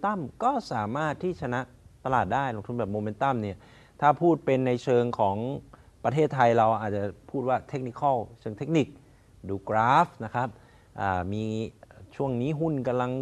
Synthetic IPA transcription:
t̪a˥˩mkɔː˥˩saː˩˦maː˥˩t̪ʰːiː˥˩t͡ɕʰa˧na˦˥ʔt̪a˧laː˨˩t̪̚daː˥˩jlo˧ŋt̪ʰu˧nbɛː˨˩p̚moː˧me˦˥nt̪a˥˩mni˥˩ɐ | t̪ʰaː˥˩pʰuː˥˩t̪̚pe˧nːa˧jt͡ɕʰɤː˧ŋkʰɔː˩˦ŋpɾa˧t̪ʰeː˥˩t̪ʰːa˧jɾa˧wʔaː˨˩t̪̚t͡ɕa˨˩pʰuː˥˩t̪̚waː˥˩t̪ʰe˦˥k̚ni˦˥kʰɔ˥˩t͡ɕʰɤː˧ŋt̪ʰe˦˥k̚ni˨˩k̚ | duː˧kɾaː˦˥fna˦˥kʰɾa˦˥p̚ | ʔaː˨˩miː˧t͡ɕʰu˥˩əŋniː˦˥ɦu˥˩nka˧mla˧ŋ

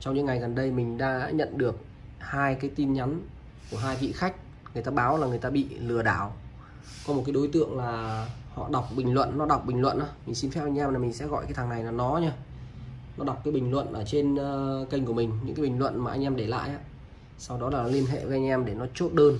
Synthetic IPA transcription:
t͡ɕɔ˧wŋ͡mɲɨ̰˧˥ŋa˨˩jɣə˨˩nɗə˧jmï˨˩ŋ̟ɗa̰ː˧ɲə̰˧˨nɗɨ˨˩ək̚ | haː˧jkaː˨˦jt̪i˧nɲa˨˦n | ku˧˩əɦaː˧jvḭ˧˨xa˦˥jk̟̚ | ŋɨ˨˩əjt̪aː˧ɓaː˨˦wlaː˨˩ŋɨ˨˩əjt̪aː˧ɓḭ˧˨lɨ˨˩əɗaː˧˩w | kɔ˨˦mo˨˩t̚kaː˨˦jɗo˨˦jt̪ɨ̰˧˨əŋlaː˨˩hɔ̰˧˨ɗa˨˩wk͡p̚ɓï˨˩ŋ̟lwə̰˧˨nːɔ˨˦ɗa˨˩wk͡p̚ɓï˨˩ŋ̟lwə̰˧˨nʔaː˨˦mï˨˩ŋ̟si˧nfɛ˦˥p̚ʔa˧ŋ̟ʔɛ˧mlaː˨˩mi˨˩ŋsɛ̰˧˥ɣɔ̰˧˨jkaː˨˦t̪ʰːŋna˨˩jlaː˨˩nɔ˨˦ɲaː˧ | nɔ˨˦ɗa˨˩wk͡p̚kaː˨˦jɓï˨˩ŋlwə̰˧˨nʔəː˧˩t͡ɕe˧n˧kə˧jŋ̟ku˧˩əmï˨˩ŋ̟ɲɨ̰˧˥ŋkaː˨˦ɓï˨˩ŋ̟lwə̰˧˨nmaː˨˩ʔa˧jŋ̟ʔɛ˧mɗe˧˩la̰ː˧˨jʔaː˧˦ | sa˧wɗɔ˨˦laː˨˩nɔ˨˦li˧ənɦḛ˧˨və˨˦ʔa˧jŋ̟ʔɛ˧mɗe˧˩nɔ˨˦t͡ɕo˦˥t̚ɗəː˧n

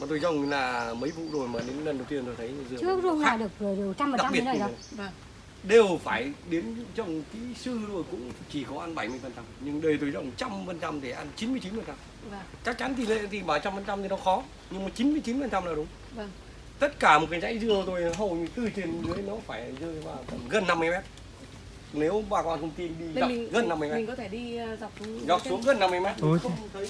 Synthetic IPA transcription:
maː˨˩t̪o˧jzə˨˧˩wŋ͡mlaː˨˩mə˨˦jvṵ˧˨zo˨˩jmaː˨˩ɗe˨˦nlə˨˩nɗə˨˩wt̪i˧ənt̪o˧jt̪ʰə˨˦jzɨ˧˨ɨ˦˥əzu˧aː˧˨˧ɗɨ˨˩ək̚əː˨˩˨ɗ̚ɓi˦˥ə˦˧˨ | ɗe˨˩wfaː˧˩jɗe˨˦nzə˨˧˩wŋ͡mt̪ḭ˧˥sɨ˧zo˨˩jkʊ̰˧˥ŋ͡mt͡ɕi˧˩kɔ˨˦ʔaː˧nɓa˧˩jmɨ˧əjfə˨˩nt͡ɕa˧mɲɨ˧ŋɗəː˨˩jt̪o˧˩jzə˧˩wŋ͡mt͡ɕa˧mfə˨˩nt͡ɕa˧mɗ̪e˧˩ʔaː˧nt͡ɕi˨˦nmɨ˧ət͡ɕi˨˦nfə˨˩nt͡ɕa˧m | t͡ɕa˦˥k̚t͡ɕa˨˦nt̪ʰi˨˩lḛ˧˨t̪ʰi˨˩ɓaː˧˩jt͡ɕa˧mfə˨˩nt͡ɕa˧mt̪i˨˩nɔ˨˦xɔ˨˦ | ɲɨ˧ŋmaː˨˩t͡ɕi˨˦nmɨ˧əjt͡ɕi˨˦nfə˨˩nt͡ɕa˧mnaː˨˩˨ɗʊ˨˦ŋ͡m | vŋ | t̪ə˦˥t̚kaː˧˩m˨˩t̚kaː˨˧˦jt͡ɕa̰˧˥jzɨ˧ə˧t̪o˧jɦə˨˩wɲɨ˧t̪ɨ˧˩t͡ɕi˨˩nzɨ˨˦jnɔ˨˦faː˧˩jzəː˧jvaː˨˩və̰˧˩ɣə˨˩nːa˧mː˧jmɛ˦˥t̚ | ne˨˦wɓaː˧˩kwaː˧˨nkʰə˧wŋ͡mt̪i˧nɗi˧˨za˨˧˨ŋɣə˨˩nːa˧mɨ˧jmmi˨˩ŋkɔ˨˦t̪ʰe˧˩ɗi˧za˨˩wk͡p̚zɔ˨˩t̚u˨˦ɣə˨˩nːa˧mː˧jmɛ˦˥t̚t̪əː˨˦

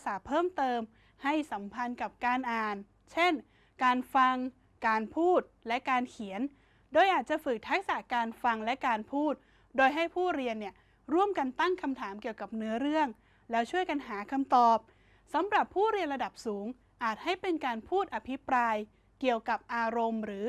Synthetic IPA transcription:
saː˩˦pʰɤː˥˩mt̪ɤː˧m | ha˥˩jsa˩˦mpʰa˧nka˨˩p̚kaː˧nʔaː˨˩n | t͡ɕʰe˥˩n | kaː˧nfa˧ŋ | kaː˧npʰuː˥˩t̪̚lɛ˦˥kaː˧nkʰi˩˦ən | doː˧jʔaː˨˩t̪̚t͡ɕa˨˩fɯ˨˩k̚t̪ʰa˦˥k̚sa˨˩kaː˧nfa˧ŋlɛ˦˥kaː˧npʰuː˥˩t̪̚ | doː˧jɦa˥˩jpʰuː˥˩ɾi˧ənːi˥˩ə | ɾu˥˩əmka˧nt̪a˥˩ŋkʰa˧mt̪ʰaː˩˦mki˨˩əwka˨˩p̚nɯ˦˥ɐɾɯ˥˩əŋ | lɛː˦˥wt͡ɕʰu˥˩əjka˧nɦaː˩˦kʰa˧mt̪ɔː˨˩p̚ | sa˩˦mɾa˨˩pʰːuː˥˩ɾi˧ənɾa˧da˨˩p̚suː˩˦ŋ | ʔaː˨˩t̪̚ha˥˩jpe˧nkaː˧npʰuː˥˩t̪̚ʔa˧pʰi˦˥pɾaː˧j | ki˨˩əwka˨˩p̚ʔaː˧ɾo˧mɾɯː˩˦

